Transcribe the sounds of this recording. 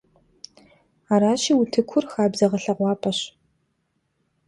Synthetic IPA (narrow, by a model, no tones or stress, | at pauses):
aːɾaːɕiːwutʰɨkʷʰʊrxaːbzɐʁɐɬɐʁʷɑːpʰɐɕ